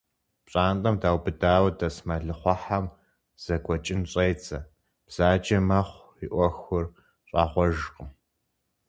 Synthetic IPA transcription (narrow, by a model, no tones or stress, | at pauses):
pɕʼaːntʼɐmdaːwbɨdaːwɐdɐsmɐɮɨχʷɑħam | z̥ɐɡʷɔt͡ʃʼɪnɕʼɐjt͡sʰʼɐ | b̥z̥aːd͡ʒɐmɐχʷ | iʔʷɔxʊr | ɕʼɑːχʷɔʒqʼə